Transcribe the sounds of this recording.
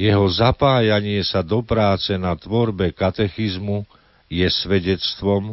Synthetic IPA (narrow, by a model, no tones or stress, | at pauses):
jɛɦɔzapaːjaɲɪɛsad̪ɔpɾaːt͡sɛnat̪ʋɔɾbɛkat̪ɛxizmu | jɛsʋɛɟɛt͡st̪ʋɔm